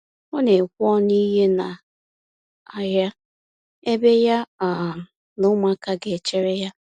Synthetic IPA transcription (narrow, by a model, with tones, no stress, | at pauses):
ɔ˦ne˨kʷɔ˦ni˦ɦe˦na˨ | a˨ja˦ | e˦be˦ja˦a˨ | nʊ˦ma˦ka˦ɡe˨t͡ʃe˦ɾe˦ja˦